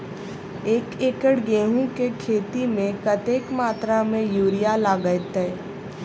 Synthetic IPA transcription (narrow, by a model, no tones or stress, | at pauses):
eːkeːkəɽɡeːɦũkekʰeːt̪imẽkət̪eːkmaːt̪ɾamẽjuːɾijalaːɡət̪e